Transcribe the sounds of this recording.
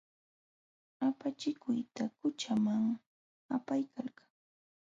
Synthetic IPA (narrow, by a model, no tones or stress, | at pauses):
apat͡ʃɪkʊjt̪akʊt͡ʃamaŋ | apajkalkḁŋ